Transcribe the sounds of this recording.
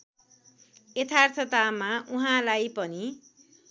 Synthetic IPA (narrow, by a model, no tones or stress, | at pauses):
et̪ʰart̪ʰʌt̪amauɦãlajpʌni